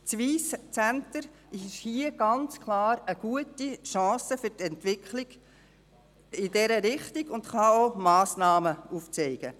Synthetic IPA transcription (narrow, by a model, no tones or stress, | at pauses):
t͡sʋiːst͡sæntəɾ | ɪʃhiːəɡ̥ɑnt͡skʰlɑːɾəɡ̥uətiʃɑ̃ːsəfʏɾtɛntʋɪkʰlɪɡ̥ | ɪdɛɾəɾɪχtiɡ̥ʊndχɑomɑːsnɑːməuft͡sɛɪɡ̥ə